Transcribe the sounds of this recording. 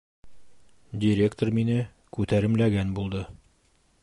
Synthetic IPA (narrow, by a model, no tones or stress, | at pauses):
dʲɪɾʲekt̪orminɘ | kʉt̪æɾɘ̆mlæɡænbulˠd̪ɤ